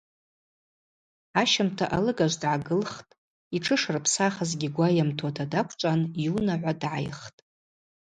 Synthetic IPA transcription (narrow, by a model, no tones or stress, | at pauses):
aʃamtʰaʔalɨɡaʒʷdʕaɡɨlχtʼ | iʈ͡ʂʰɨʂrpʰsaχazɡʲiɡʷajamtʰotʰadakʷʰt͡ʃʷʼanjunaʕʷadʕa̰jχtʼ